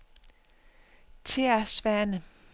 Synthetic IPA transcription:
t͡sʰeɐsʋænə

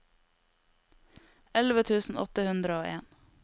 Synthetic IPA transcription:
ɛlʋət̪ʰʉːsn̩ɔ̰t̪əhʉnd̪ɾəoːʔḛːn

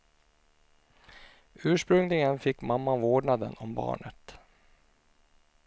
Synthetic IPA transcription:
ʉ̟ːʂpɾɵŋlɪɡənfɪkːmamːavoːɖɳad̪ə̰nɔmbɑ̰ːɳət̪

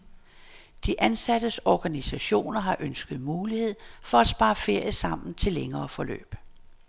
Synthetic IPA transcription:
d̥iʔænsæd̥əsɒɡ̥ænisæɕo̝̰ːnɐɦɑ̈ʔønsɡ̥əð̩ˠmuːlihe̝ð̰ˠfɒ̽æsb̥ɑ̈ːfe̝ɐ̰jəsɑ̈m̰n̩t͡sʰe̝lːeŋɐːfɒ̽lø̰ːb̥

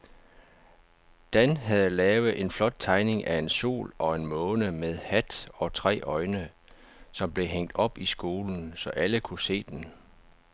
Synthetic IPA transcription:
d̥ænɦæð̩ˠlɛːʊð̩ˠʔe̝nflɒ̽d̥̚t͡sʰɑ̈ɪne̝ŋʔæe̝nso̝̰ːlɒ̽e̝nmɔ̽ːnəmeðˠhæd̥ɒ̽t͡sʰʁɛ̰ːʔɒ̽ɪnə | sɒ̽mb̥le̝ɦeŋ̰d̥ɒ̽b̥isɡ̥o̝ːln̩sɒ̽ʔæləkʰuse̝̰ːd̥en

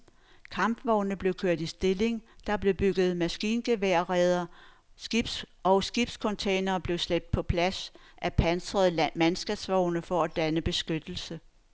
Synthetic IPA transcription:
kʰɑ̈mb̥ʋɒʊnəb̥le̝ʊkʰøɐ̰d̥isd̥e̝le̝ŋd̥ɑ̈b̥le̝b̥yɡ̥ð̞̩ˠmæsɡ̥ḭːnɡ̥e̝ʋeɐ̰ʁɛð̞ˠɐ | ɡ̥ib̥s | ɒʊsɡ̥ib̥skʰont͡sʰeɪnɐːb̥le̝ʊsleb̥̚d̥̚pʰɒ̽pʰlæsʔæpʰænsʁɐð̞ˠmænsɡ̥ɛb̥sʋɒʊ̰nəfɒ̽æd̥ænəb̥e̝sɡ̥ød̥l̩sə

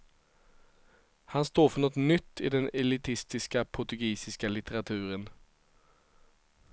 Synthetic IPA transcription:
hɑnst̪oːfɔnɔt̪nʏt̪ʰːiːd̪ɛnɛlɪt̪ʰɪst̪ɪskəpʰʊʁt̪ʉɡiːsɪskəlɪt̪ʰəʁɑt̪ʰʉːʁən

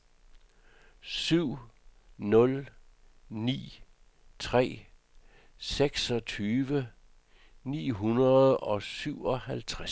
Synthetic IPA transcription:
syʊ̰nɔ̽l | nḭː | t͡sʰʁɛ̰ː | seɡ̥sɒ̽t͡sʰyːʋə | nḭːɦunɐð̩ˠɒ̽syʊ̰ɒ̽hælt͡sʰʁa

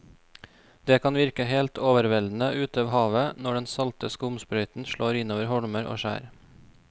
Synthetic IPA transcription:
d̪eːkʰɑnʋɪɾkəɦeːlt̪ʰoːʋəɾʋɛld̪n̩əʔʉːt̪ɑːʋhɑːʋənɔɖɛnsɑlt̪əskəʊmspɾœʏt̪n̩ʃɭoːɾɪnoːʋəɾhɔɽməɾo̰ːʃæ̰ːɾ

